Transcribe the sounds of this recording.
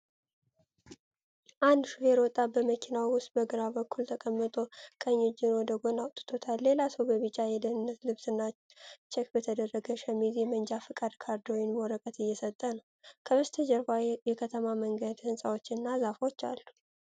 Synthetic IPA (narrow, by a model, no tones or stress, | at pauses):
ʔand̪ʃuheɾwɔt̪ʼːabəməkʰinawwʊst̪̚bəɡɨɾabəkʰːult̪ʰəkʼəmːɨt̪ʼokʼəɲːod͡ʒɪnwod̪əɡo̞nawt̪ʼːɨ̥t̪ʰo̞t̪ʰalːe̞lasəwbəβɨt͡ʃʼːajɛd̪ənɨnːət̪lɨβsɨnːa | t͡ʃɛkbət̪ʰəd̪ərːəɡəʃəmizimənd͡ʒafɨkʼad̪kʰaɾd̪ojɪnmoɾəkʼət̪ɨjːɛsət̪ʼːənəw | kʰəβəst̪ʰəd͡ʒəɾbajɛkʰət̪ʰəmaməŋɡəd̪hɨnsʼawo̞t͡ʃːɪnːazafo̞t͡ʃːa̰lːu